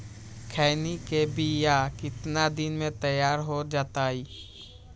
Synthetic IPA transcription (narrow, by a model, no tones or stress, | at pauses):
kʰɛːɪnikebijakɪt̪nad̪ɪnmẽt̪əjaːɾɦod͡ʒaːt̪aiː